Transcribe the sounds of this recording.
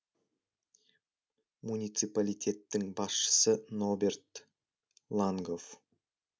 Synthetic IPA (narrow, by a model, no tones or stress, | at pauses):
munʲijt̪sɨpalʲijt̪ʰʲe̞t̪ːɪŋbɑsʃə̥səno̞be̞rt̪ | lˠaŋɡo̞f